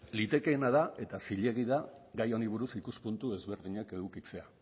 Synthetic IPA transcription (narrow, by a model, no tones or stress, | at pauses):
lit̪e̞ke̞ːnaðaʔe̞t̪asiʎe̞ɣ̞iða | ɡajo̞niβ̞uɾusikuspunt̪ue̞zβe̞ɾðiɲake̞ɣukit͡se̞a